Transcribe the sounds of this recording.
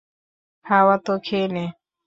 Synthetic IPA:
hawat̪okʰene

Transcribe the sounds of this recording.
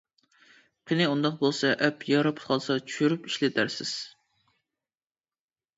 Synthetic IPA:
qʰinɪund̪ɑqbolˠsɑʔɛpjɑɾɑpʰt̪qɑlˠsɑt͡ʃʰy̥ʃyɾypiʃlɪt̪ʰæɾsɪz̥

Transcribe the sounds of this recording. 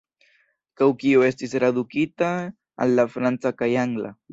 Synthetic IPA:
kawkioest̪ɪsɾad̪ʊkɪt̪a | a̰lːafɾant͡sakajaŋla̰

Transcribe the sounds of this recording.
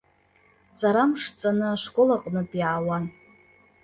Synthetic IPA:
t͡sʼaɾamʂt͡sʼanɨaʂkʷʼolaqʼnɨpʼjaːwan

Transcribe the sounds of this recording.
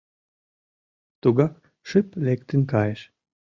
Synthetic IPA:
t̪uɡɑk | ʃɨplʲekt̪ɨnkɑjeʃ

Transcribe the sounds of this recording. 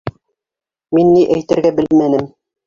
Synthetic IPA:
minːiʔæjt̪ɘ̆ɾɡæbɘ̆lmænɘm

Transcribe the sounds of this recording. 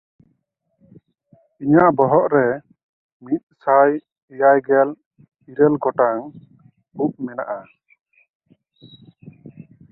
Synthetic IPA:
iɲaʔbɔɦɔʔɾɛ | mit̪̚saj | ɛjajɡɛl | iɾɛlɡɔʈaŋ | up̚mɛna̰ʔa

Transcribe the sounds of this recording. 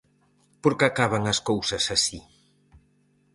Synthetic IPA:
poɾkakaβɐŋɐskowsɐsasi

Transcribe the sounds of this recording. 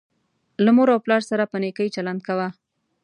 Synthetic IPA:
lamoɾawplɑɾsaɾapənekəjt͡ʃaland̪̚kawa

